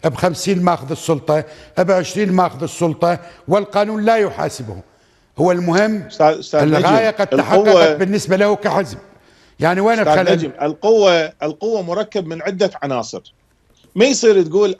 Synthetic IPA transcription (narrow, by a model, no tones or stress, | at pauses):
ʔɪbxamsiːnmaːxʊðɨsˤːʊlt̪ˤɑʔabʕɪʃɾiːnmaːxʊðɨsˤːʊlt̪ˤɑwɪlqɑːnuːnlajʊħa̰ːsɪbhṵ | hʊwːalmʊhɪmːast̪aɪllːɣaːjaqad̪̚aħaqːɑqɑbɪnːɪsbalahukaħɪzb̚ | jaʕniweːnɪxalalɪlqʊwːaɪlqʊwːamʊɾˤɑkːabmɪnʕɪd̪ːaʕanɑːsˤɨɾ | majsˤiːɾt̪̚ɡuːl